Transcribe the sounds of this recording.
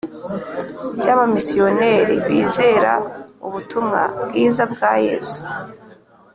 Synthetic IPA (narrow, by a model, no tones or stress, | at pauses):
jaβamisio̞ne̞ːɾiβiːze̞ːɾa̰uβutumŋa̰bɡiːzab̚ɡaːje̞̰ːsu̥